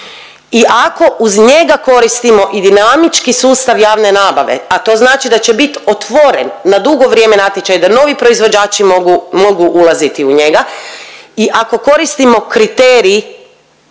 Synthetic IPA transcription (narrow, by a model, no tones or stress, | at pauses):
iʔako̞ʔuzɲeɡako̞ɾist̪imo̞ʔid̪inamit͡ʃkisuːst̪aʋjaːʋne̞naːbaʋe̞̰at̪o̞ːznaːt͡ʃid̪at͡ɕe̞bit̪ot̪ʋo̞ɾenːad̪uɡo̞ʋɾje̞ːme̞nat̪jet͡ʃajd̪ano̞ʋipɾo̞izʋo̞d͡ʑaːt͡ʃimoɡumo̞ɡuʔulˠazit̪iuɲe̞ɡa | iʔako̞ko̞ɾist̪imo̞kɾit̪eːɾiː